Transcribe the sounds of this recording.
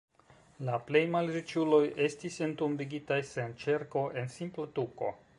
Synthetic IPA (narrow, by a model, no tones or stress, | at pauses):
laple̞jmalɾit͡ʃulo̞je̞stisentumbiɡitajse̞nt͡ʃeɾko̞ʔe̞nsimplotuko̞̰